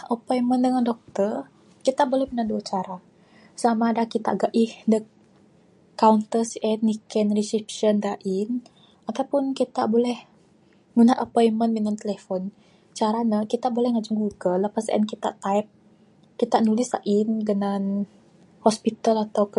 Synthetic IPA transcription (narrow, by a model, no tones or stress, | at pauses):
ʔəpɔjməndəŋandɔk̚t̪ər | kit̪abolɛhmunanduat͡ʃaɾa | samaːdakit̪a̰ɡaʔihdə | kːaunt̪ərsʔɛt̪nikɛnrisipʃəndaʔin | at̪awpʊnkit̪abolɛh | munaʔəpɔjmənminant̪elefɔn | t͡ʃaɾanəkit̪abolɛhŋad͡ʒuŋɡuɡəlːəpasa̰ɛ̰nkit̪a̰ʔt̪aip̚ | kit̪anulɪsa̰ʔinɡənan | hospit̪alat̪awk